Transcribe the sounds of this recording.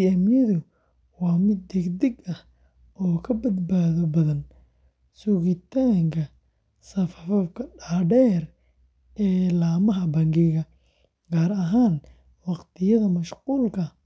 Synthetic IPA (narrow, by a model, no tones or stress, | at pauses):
iɛmjɛðʊ | wɑːmɪd̪̚ːɛɡd̪ɛɡɐh | ɔːkʰɐbɐd̪baːðɔbɐðɐn | sʊɣɪt̪ʰaːŋkʰɐ | sɐfɐfɐfkʰɐɖaːɖɛːr | ʔɛːlaːmɐɦɐbɐŋɡɪɣɐ | ɡaːɾɐɦaːn | wɑqt̪ʰɪjɐðɐmɐʃquːlkʰɐ